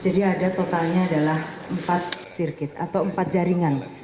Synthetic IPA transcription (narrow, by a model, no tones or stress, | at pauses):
d͡ʒadiadat̪ot̪alɲaːdalahəmpat̪̚sirkɪt̪̚a̰t̪awəmpat̪̚d͡ʒaɾiŋan